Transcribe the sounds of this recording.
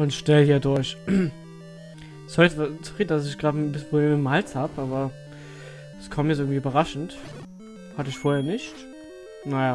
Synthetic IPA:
ʔʊntʃtɛlhiːɐdʊɐç | sɔʁitəvat͡suʁiːdndasɪçɡ̥ʁaːtmbɪspʁ̥obleːmɪtmhalt͡shaːbəʔaːbɐ | skʰaːmjɛsɪɐɡŋ̩v̥iːyːbɐʁaʃn̩t | hatəɪçfoːɐheːɐnɪçt | najaː

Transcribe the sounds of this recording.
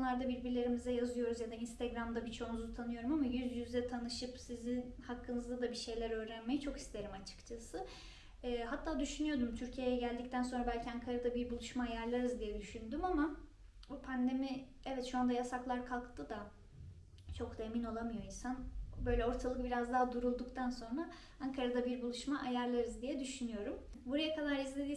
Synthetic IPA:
bunlˠaɾd̪abiɾbiɾlʲe̞ɾimizɛjazɯjo̞ɾuzjad̪ainst̪ʰeɡɾamd̪abit͡ʃʰo̞nuzut̪ʰanɯjo̞ɾumamajyzjyzd̪ɛt̪ʰanɯʃɯpsizinhakʰːɯnɯzd̪ad̪abiʃe̞jlʲæɾø̞ːɾænmejit͡ʃʰo̞ki̥st̪ʰe̞ɾimat͡ʃʰɯ̥kt͡ʃʰasɯː | ɦat̪ʰːaːd̪yʃynyjo̞d̪umt̪ʰyɾcʰijejɛɟælʲd̪ic̚t̪ʰænso̞nɾabælʲcʰiaŋkʰaɾad̪abiɾbulˠuʃmaːjæɾlˠaɾɯzd̪ijɛd̪yʃynd̪ymama | bupʰand̪e̞mi | ɛvɛt̪ʃuand̪ajasaklˠaɾkʰalˠkt̪ʰɯd̪a | t͡ʃʰo̞kd̪aemino̞lˠamɯjo̞insanbø̞jlʲɛo̞ɾt̪ʰalˠɯk̚biɾazd̪aɦad̪uɾulˠd̪ukt̪ʰanso̞nɾa | aŋkʰaɾad̪abiɾbulˠuʃmaʔajaɾlˠaɾɯzd̪ijɛd̪yʃynyjo̞ɾumbuɾajakʰalˠaɾizlʲe̞d̪iː

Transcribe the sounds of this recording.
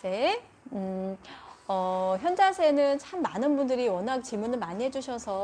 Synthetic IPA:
se | ɯ | ʌçjʌnd͡ʑasʰe̞nɯnt͡ɕʰamːanɯnbundɯɾiwʌnak̚t͡ɕimunɯɭmaniɦe̞d͡ʑuɕʰʌsʰʌ

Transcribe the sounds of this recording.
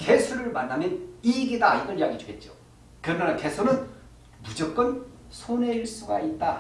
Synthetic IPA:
kesʰuɾɯɭmanːamjʌniɡedaiɡʌnijaɡid͡ʑuɡe̞t̚t͡ɕ͈o̰ | kɯɾʌnanakʰesʰonɯn | mud͡ʑʌk͈̚ʌn | sʰoneiɭs͈uɡait̚t͈a

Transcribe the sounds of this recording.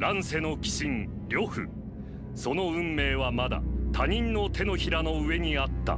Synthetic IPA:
ɾãɰ̃se̞no̞kʲi̥ɕĩn | ɾʲo̞ɸɯ̟̰ | so̞no̞ɯ̟̃mːe̞ːβamad̪a̰t̪ʰaɲ̟ĩnno̞t̪e̞no̞çiɾano̞ɯe̞ɲ̟iat̪ːa̰

